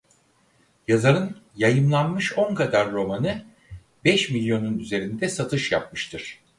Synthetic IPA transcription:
jazaɾɯnjajɯmlˠanmɯʃo̞ŋkad̪aɾːo̞manɯ | bɛʃmilʲjo̞nunyze̞ɾind̪ɛsat̪ʰɯʃjap̚mɯʃt̪ʰɯɾ̥

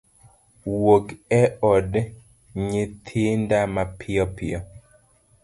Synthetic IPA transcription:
wokɛɔd | ɲɪt̪ʰɪndamapʰɪɔpʰɪɔ

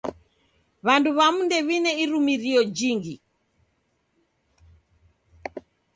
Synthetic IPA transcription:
βanduβamundɛβinɛiɾumiɾiɔd͡ʒiŋɡi

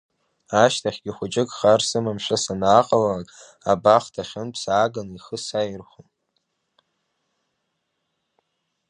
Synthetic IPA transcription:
aʃtʰaχʲɡʲiχʷʊt͡ʃʼɪkʼχarsɨmamʃʷasanaːqʼalaakʼ | abaχtʰaχʲʊnpʰsaːɡaniχəsajirχʷom

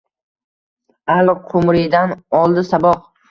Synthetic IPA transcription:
alqʰʊmɾɪd̪anɒlˠd̪ɪsabɒq̚

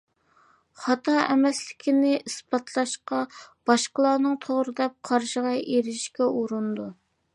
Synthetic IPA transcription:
χɑt̪ʰɑɛmɛslɪkʲʰinɪʔisbɑt̪ʰlˠɑʃqɑb̥ɑʃqəlˠɑːnɨŋt̪ʰoʁɾɨd̪ɛp̚qʰɑɾʃəʁɑʔeɾɪʃkʲɛʔuɾund̪u

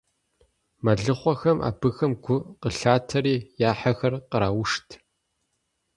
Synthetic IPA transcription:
mɐɮɨχʷɔxɐmʔa̰ːbɨxɐmɡʷʊqəɬaːtʰɐɾiːjaːħɐxɐrqəɾaːwʊʂtʰ

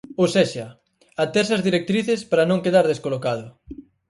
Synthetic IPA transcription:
owsɛʃɐ | at̪ɛɾsɐzðiɾek̚t̪ɾiθespaɾɐnõŋkeðaɾðeskolokað̞ʊ

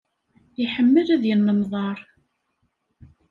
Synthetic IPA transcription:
iħəmːəlæðjənːəmðˤɑɾˤ

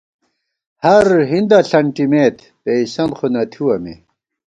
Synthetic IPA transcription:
hɐɾɦind̪ɐɬɐɳʈimeːt̪ʰ | peisɐnxunɐt̪ʰiwɐmḛ

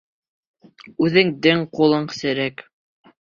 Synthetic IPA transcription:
ʉðɘŋd̪ɘŋqulˠɤɴsɘ̆ɾæk

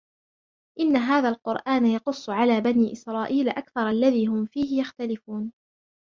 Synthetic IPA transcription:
ʔɪnːaɦaːðaːlqʊɾʔaːnajɑqʊsˤːʊʕalaːbaniːʔɪsɾˤɑːʔiːlaʔakθɑɾˤʔalːaðiːɦʊmfiːhɪjaxt̪alɪfuːn

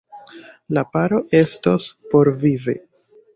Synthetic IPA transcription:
lapaɾoʔe̞stospo̞ɾvivḛ

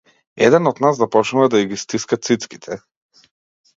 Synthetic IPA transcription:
ɛ̰d̪ɛnɔd̪nazd̪apɔt͡ʃnuvad̪aiɡist̪iskat̪sit̪ski̥t̪ʰɛ

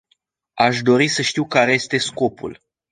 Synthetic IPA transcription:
aʃd̪o̞ɾisəʃt̪iwkaɾe̞je̞st̪e̞sko̞pṵl

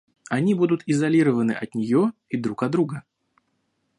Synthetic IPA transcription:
ɐnʲibud̪ʊt̪ɪzɐlʲiɾəvənɨʔɐt̪nʲɪjoid̪ɾukɐd̪ɾuɡə

